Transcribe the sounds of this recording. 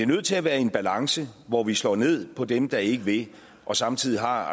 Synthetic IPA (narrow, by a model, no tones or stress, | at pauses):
iɐnøð̰ˠt͡sʰe̝æʋæːɐe̝nb̥ælɑ̈ŋsəʋɒʋislɒ̰ːne̝ð̞̰ˠpʰɒ̽d̥emd̥ɑ̈æɐe̝ɡ̥əʋe̝ | ʔɒ̽sɑ̈mt͡sʰið̞̰ˠiɦɑ̈